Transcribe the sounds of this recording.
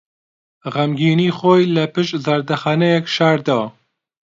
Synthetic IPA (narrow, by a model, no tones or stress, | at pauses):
ʁɛmɡiːniːxojlɛpɨʃtzɐɾd̪ɐxɑnɛjɛkʃaːɾd̪ɑː